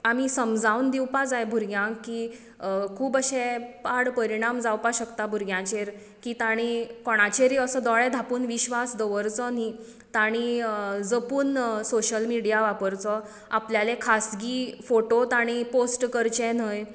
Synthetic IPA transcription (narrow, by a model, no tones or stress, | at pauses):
amisəmd͡zawnd̪iwpad͡zajbʱuɾɡjãkːiː | kʰuːbəɕɛ̃paɽpəɾiɽ̃amd͡zawpaɕəkt̪abʱuɾɡjãt͡ɕeɾ | kiːt̪aɽ̃ikɔɽ̃at͡ɕeɾiəsəd̪ɔɭɛ̃d̪ʱapuːnʋiɕʋasd̪ɔʋəɾt͡sɔni | t̪aɽ̃id͡zəpuːnsoɕəlmiɽijaʋapəɾt͡sɔ | apljalekʰasɡiːfoʈot̪aɽ̃iposʈkəɾt͡ɕɛ̃n̤əj